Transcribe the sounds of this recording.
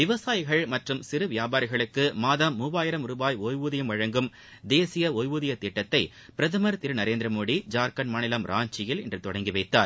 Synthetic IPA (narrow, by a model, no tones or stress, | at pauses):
ʋɪʋɐsaːjɪɣɐɭmɐʈrɯmsɪɾɯʋɪjaːbaːɾɪɣɐɭɯkːɯmaːðɐmːubaːjɪɾɐmʊɾʊbaːjɔjʋuːðɪjɐmʋɐɻɐŋɡɯm | d̪eːsɪjɐɔjʋuːðɪjɐt̪ɪʈːɐt̪ːɐɪ | pɪɾɐðɐmɐɾt̪ɪɾɯnɐɾeːnd̪ɾɐmoːɽid͡ʒaːɾkɐnmaːnɪlɐmɾaːɲt͡ʃɪjɪlɛndrɯt̪ɔɽɐŋɡiʋɐɪt̪ːaːɾ